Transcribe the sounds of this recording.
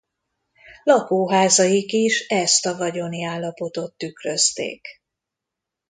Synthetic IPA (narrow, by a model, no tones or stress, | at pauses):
lɒkoːɦaːzɒjikiʃɛst̪ɒvɒɟo̞niaːlːɒpo̞t̪o̞t̪ːykrøst̪ḛːk